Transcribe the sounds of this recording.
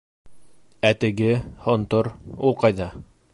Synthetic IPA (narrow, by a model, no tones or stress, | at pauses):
æt̪ɘ̆ɡɘhŏnt̪oɾulˠqɑjðɑ